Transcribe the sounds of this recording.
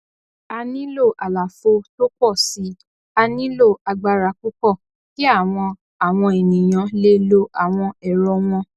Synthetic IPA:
a˧nĩ˦lo˦˨ʔa˨la˨fo˧to˦kɔ˦˨si˨˦ | a˧nĩ˦lo˦˨a˧ɡ͡ba˧ɾa˧ku˦kɔ˦˨ | ki˦a˦˨w̃ɔ̃˧ | a˨w̃ɔ̃˧e˨nĩ˨j̃ã˧le˦lo˦ʔa˨w̃ɔ̃˧ɛ˨ɾɔ˧w̃ɔ̃˧

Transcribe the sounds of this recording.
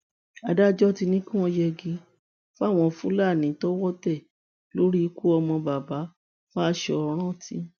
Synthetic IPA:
a˧da˦d͡ʒɔ˦ti˧nĩ˦kũ˦ɔ̃˧jɛ˧ɡi˧˦ | fa˦˨w̃ɔ̃˧fũ˦la˦˨nĩ˨˦tɔ˦wɔ˦tɛ˦˨ | lo˦ɾi˦i˧ku˦ɔ˧mɔ̃˧ba˨ba˨˦ | fa˦a˧ʃɛ˧˨ɔ˧ɾ̃ɔ̃˦˨tĩ˦

